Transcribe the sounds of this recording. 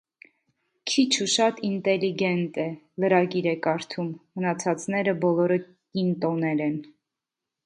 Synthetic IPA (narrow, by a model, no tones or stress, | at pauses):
kʰit͡ʃʰuʃɑt̪int̪ɛliɡɛnt̪ɛ | ləɾɑɡiɾɛkɑɾt̪ʰumːənɑt͡sʰɑt͡snɛɾəbɔlɔɾə | kint̪ɔnɛɾɛn